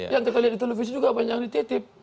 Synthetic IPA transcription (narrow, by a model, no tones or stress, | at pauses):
jaŋt̪ukaliat̚dit̪̬elefis̬id͡ʒuɡabaɲaŋ̚dit̪et̪ip̚